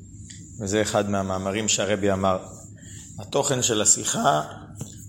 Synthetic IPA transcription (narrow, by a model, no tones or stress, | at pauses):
vezeːχad̪meamaːmaʁimʃeaʁebiamaʁ | hat̪o̞χe̞nʃelasiχa